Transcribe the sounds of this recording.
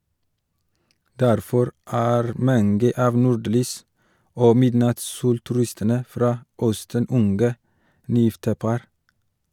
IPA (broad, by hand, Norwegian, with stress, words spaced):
ˈdæɾfɔɾ ˈæːɾ ˈmɑnɡə ˈɑːʋ ˈnuːˌɖlyːs ˈoː ˈmɪdnɑtsˌsuːltʉˌɾɪstənə ˈfɾɑː ˈœstən ˈʊnɡə ˈnyːˌjɪftə ˈpɑɾ